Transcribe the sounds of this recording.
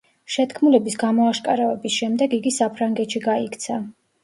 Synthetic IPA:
ʃɛt̪ʰkʰmulɛbisɡamɔaʃkʼaɾavɛbisʃɛmd̪ɛɡiɡisapʰɾaŋɡɛt̪ʃiɡaikʰt̪sʰa

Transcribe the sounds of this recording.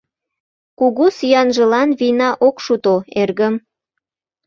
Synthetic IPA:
kuɣosijɑnʒə̆lɑnβinɑʔokʃut̪oerɣəm

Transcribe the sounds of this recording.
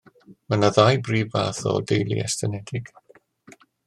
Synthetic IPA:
manaðajbriːvaːθɔ̰dejlˠḭɛ̰stʰənɛdɪɡ̥

